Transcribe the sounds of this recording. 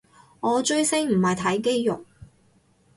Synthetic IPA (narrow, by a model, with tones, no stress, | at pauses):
ŋɔː˨˧t͡ʃɵ˥ɥsɪ˥ŋm̩˨˩hɐ˨jt̪ʰɐ˨˥jke˥jjʊ̰˨k̚